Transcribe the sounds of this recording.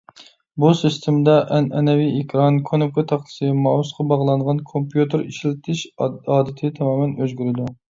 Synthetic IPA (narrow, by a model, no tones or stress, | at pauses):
busist̪ʰemd̪ɛʔɛnɛnɛviekʲʰɾɑnkʰonʊkʰɑt̪ʰɑχt̪ʰɨ̥sɨmɑːwusqʰɑbɑʁlˠɑɴʁɑnkʰompjut̪ɪɾiʃilɪt̪ʰɪʃɑːd̪ɪt̪ʰɪt̪ʰɑmɑːmɛnøzɡʲyɾɪd̪u